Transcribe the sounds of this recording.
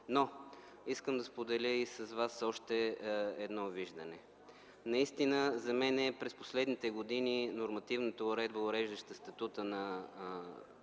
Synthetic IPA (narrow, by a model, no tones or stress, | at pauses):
no | iskəmd̪ɐspod̪ɛlʲəisɐzvasɔʃt̪ɛɛd̪nɔviʒd̪ɐnɛ | nɐist̪inəzɐmɛnɛpɾɛspo̥slɛd̪nit̪ɛɡod̪ininoɾmɐt̪ivnət̪əʊɾɛd̪bəʊɾɛʒd̪ɐʃt̪əst̪ɐt̪ut̪ənɐ